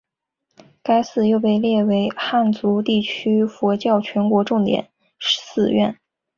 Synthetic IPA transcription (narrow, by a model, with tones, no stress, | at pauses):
ka˥ɪsɹ̩˥˧jo˥˧ʊpe˥˧ɪljɛ˥˩we˧˥ɪxa˥˩nt͡su˧˥t̪i˥˩t͡ɕʰy˥fwɔ˧˥t͡ɕjɑ˥˩ʊt͡ɕʰɥɛ˧˥nkwɔ˧˥ʈ͡ʂʊ˥˩ŋt̪jɛ̰˨˩˦n | ʂsɹ̩˥˧ɥɛ̰˥˩n